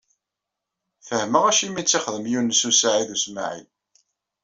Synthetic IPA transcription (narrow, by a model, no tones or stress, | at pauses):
fəhməʁæʃimit͡sːiχðəmjunːəsusaʕiðusma̰ʕḭð